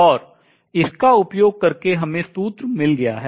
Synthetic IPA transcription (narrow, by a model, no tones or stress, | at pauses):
ɔːɾ | ɪskaʊpjoːɡ̚kɐɾkeɦɐmẽst̪uːt̪ɾmɪlɡɐja̰ɦɛː